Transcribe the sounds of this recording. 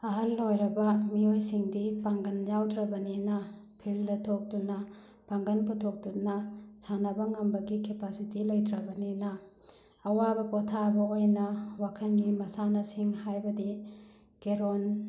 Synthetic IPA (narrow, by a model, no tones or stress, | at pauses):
ɐɦɐlːojɾɐbɐmiojsiŋdipaŋɡɐnjawdɾɐbɐninɐ | pʰildɐtʰok̚tunɐ | paŋɡɐnputʰok̚tut̚nɐsanɐbɐŋɐmbɐɡikepasitilɐjdɾɐbɐninɐː | wabɐpotʰabɐojnɐwakʰɐnɡimɐsanɐsiŋhajbɐdi | keɾon